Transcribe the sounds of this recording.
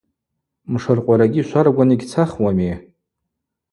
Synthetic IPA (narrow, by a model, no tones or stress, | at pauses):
mʂarqʷʼaɾaɡʲiʃʷarɡʷaniɡʲt͡sʰaχwami